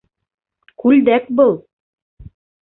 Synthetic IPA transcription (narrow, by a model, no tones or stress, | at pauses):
kʉld̪æk̚bɤlˠ